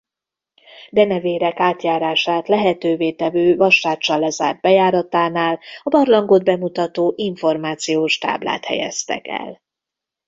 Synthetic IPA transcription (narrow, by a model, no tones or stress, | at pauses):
d̪ɛnɛveːɾɛkaːt̪jaːɾaːʃaːt̪lɛɦɛt̪øːveːt̪ɛvøːvɒʃːaːt͡ʃːɒlːɛza̰ːrd̪̚bɛjaːɾɒt̪aːnaːlɒbɒrlɒŋɡod̪̚bɛmut̪ɒt̪oːʔiɱfo̞rmaːt̪sijoːʃt̪a̰ːbla̰ːt̪hɛ̰jɛ̰st̪ɛ̰kɛ̰l